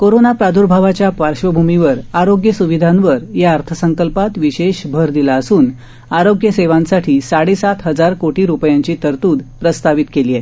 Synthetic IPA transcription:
koɾonapɾad̪ʱuɾbʱaʋat͡ɕjappaɾɕʋəbʱumiʋəɾaɾoɡjəsuʋid̪ʱãnʋəɾjaəɾt̪ʰəsəŋkəlpat̪ʋiɕeɕbʱəɾd̪ilaəsuːn | aɾoɡjəseʋãnsaʈʰiːsaɽesat̪ɦəd͡zaɾkoʈiːɾupjaɲt͡ɕiːt̪əɾt̪uːd̪pɾəst̪aʋit̪kelie

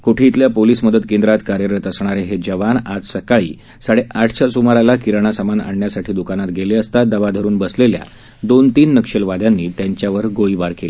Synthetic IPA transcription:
koʈʰiːt̪ljapoliːsməd̪ət̪kend̪ɾat̪kaɾjəɾət̪əsɳ̃aɾeɦed͡ʑəʋanad͡zsəkaɭḭː | saɽeʔaʈʰt͡ɕʰasumaɾalakiɾəɳ̃asamana̰ɳjasaʈʰiːd̪ukanat̪ɡeleəst̪ad̪aʋad̪ʱəɾuːnbəslelja̰ | d̪ont̪iːnːəkʂelʋad̪janːiːt̪jaɲt͡ɕjaʋəɾɡoibaɾkele

